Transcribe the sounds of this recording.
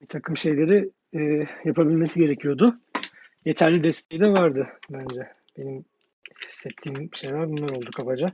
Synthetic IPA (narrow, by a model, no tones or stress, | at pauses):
bit̪ʰakʰɯmʃe̞jlʲe̞ɾiː | japʰabilʲmesiɟe̞ɾecʰijo̞d̪ʊ | je̞t̪ʰæɾlʲid̪ɛst̪ʰe̞jid̪ɛvaɾd̪ɯbænd͡ʒɛ | b̥enim | hi̥sːɛt̪ʰːiːmʃe̞jlʲæɾbunlˠaɾo̞lˠd̪ukʰabad͡ʒa